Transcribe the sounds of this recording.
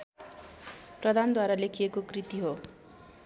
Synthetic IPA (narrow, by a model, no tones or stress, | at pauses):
prʌd̪ʱand̪waɾalekʰijekokrit̪iɦo